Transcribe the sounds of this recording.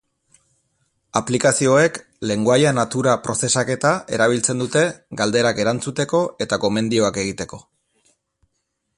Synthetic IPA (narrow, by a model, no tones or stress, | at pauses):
aplikasio̞e̞k | le̞ŋɡoajanat̪uɾapɾo̞se̞sake̞t̪ae̞̰ɾaβ̞ilt͡se̞nd̪ut̪e̞ɡald̪e̞ɾake̞ɾant͡sut̪e̞ko̞ʔe̞t̪ako̞me̞nd̪io̞ake̞ɣ̞it̪e̞ko̞